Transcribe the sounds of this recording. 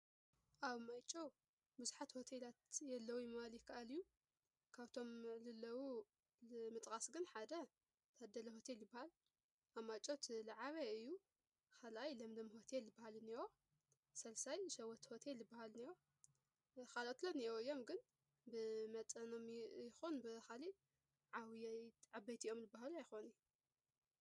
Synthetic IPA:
ʔaβmajt͡ʃʼo | buzuħat̪ho̞t̪ʰelat̪jɛlːɐwujmaljɪkʰːaʔalɨjːu | kʰaβt̪ʰo̞mlɨlːɐwu | mɨt̪ʼkʼasɡɨnħad̪ɐ | t̪ʰɐd̪ːɐlɐho̞t̪ʰeljɪbːahal | ʔaβmat͡ʃʼot̪laʕaβɐɨjːu | kʰalʔajlɐmd̪ɐmho̞t̪ʰeljɨbːahalɨniwo | sɐlsajʃɐwɐt̪ho̞t̪ʰeljɪbːahalniwo | kalot̪lonijoɨjo̞mɡɨn | bɨmɐt̪ʼɐnomjɪxonbɨxali | ʕawiʕabɐjt̪ʰiʔo̞mjɨbːaɦaluajɪxo̞nɨju

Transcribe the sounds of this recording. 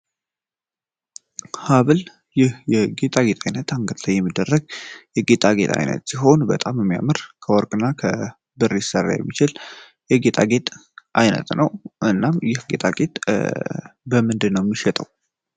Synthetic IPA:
haβɨl | jɪhjɛɡe̞t̪ʼaɡe̞t̪ʼajnət̪ʰaŋɡət̪lajːɛmːid̪ːərːəɡjɛɡe̞t̪ʼaɡe̞̰t̪ʼa̰jnə̰t̪siɦo̞nbət̪ʼamjɛmːija̰mɨɾkʰəwɔɾkʼɨnːakʰə | bɨɾːesərːa̰jɛ̰mːit͡ʃɪl | jɛɡe̞t̪ʼaɡe̞t̪ʼʔajnə̰t̪nəwʔɨnːamjɪhɡe̞t̪ʼaɡet̪ʼ | bəmɨnd̪ɨnːəwjɛmːiʃɛt̪ʼəw

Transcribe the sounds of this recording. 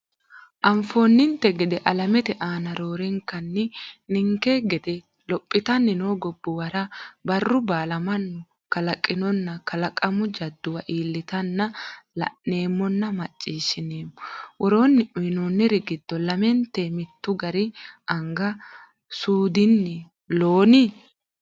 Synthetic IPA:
ʔɐɱfo̞ːnːɪnt̪ɛɡɛd̪ɛʔɐlɐmɛt̪ɛʔaːnɐɾo̞ːɾɛŋkɐnːɪnɪŋkeɡɛd̪ɛ | lɔpʼːɪt̪ɐnːɪnoːɡɔbːʊwɐɾɐbɐrːʊbaːlɐmɐnːʊ | kɐlɐkʼːɪnɔnːɐkɐlɐkʼɐmʊd͡ʒɐd̪ːʊwɐʔiːlːɪt̪ɐnːɐlɐ̰nːe̞ːmːɔnːɐmɐt͡ʃʼːiːʃɪneːmːʊwʔɔɾo̞ːnːɪʔʊjnoːnːɛɾɪɡɪd̪̥ːɔlɐmɛnt̪emɪt̪ːʊɡɐɾɪʔɐŋɡɐ | suːd̪ɪnːɪ | lo̞ːnɪ

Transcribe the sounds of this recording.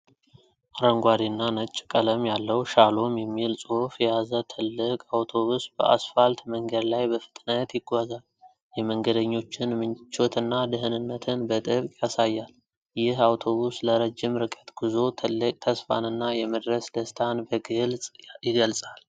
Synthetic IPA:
ʔɾəŋɡʷad̪inːanət͡ʃʼːkʼələmjalːəwʃalo̞mjɛmːilsʼofjɛjazət̪ʰɨlːɨkʼawt̪ʰo̞βusb̥ə̰ʔa̰sfalt̪məŋɡəd̪lajbəfɨ̥t̪ʼnət̪jɪɡʷazal | jɛməŋɡəd̪əɲːo̞t͡ʃːɪnmɨnt͡ʃo̞t̪ʰɨnːad̪ɨɦɨnɨnːət̪ʰɨnbət̪ʼɨβkʼjasajːal | jɪhawt̪ʰo̞βusləɾəd͡ʒːɪmɾɨkʼət̪ɡuzo̞t̪ʰlɨkʼt̪ʰəsfa̰nɨnːajɛməd̪ɾəsd̪əst̪ʰanbəɡɨlsʼjɪɡəlsʼal

